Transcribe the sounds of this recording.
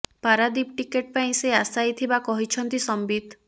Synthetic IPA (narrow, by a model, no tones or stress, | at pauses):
paɾad̪ipʈikeʈ̚paĩseasajt̪ʰibakɔɦit͡ʃʰɔnt̪isɔmbid̪